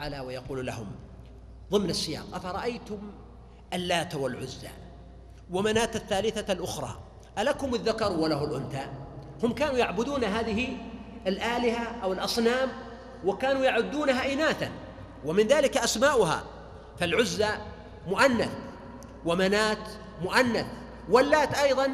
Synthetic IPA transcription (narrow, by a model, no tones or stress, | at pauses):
ʕalawajɑquːlla̰hʊm | ðˤɨmnasːɪjɑ̰ːqʔafaɾˤɑʔajt̪ʊm | ʔalːaːt̪walʕʊzːa̰ | wamanaːt̪aθːaːlɪθalʔʊxɾˤɑ̰ː | ʔalakʊmʊðːakɑɾˤwalaɦʊlʔʊnθahʊmkaːnuːjaʕbʊd̪uːnɦaːðɪɦɪalʔaːlɪhaʔawɪlʔɑsˤnaːm | wɪkaːnujaʕʊd̪ːuːnaɦaʔɪnaːθa̰n | wamɪnðaːlɪkaʔasmaːʔʊɦa̰ | falʕʊzːa | mʊʔanːa̰θ | wamanaːt̪ | mʊʔanːaθ | walːaːt̪ʔɑjðˤɑn